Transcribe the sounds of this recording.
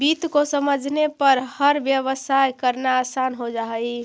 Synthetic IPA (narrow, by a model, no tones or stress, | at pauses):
bit̪kosəməd͡ʒʱnepəɾhəɾbjəβəsajkəɾnaːsanɦod͡ʒaɦəj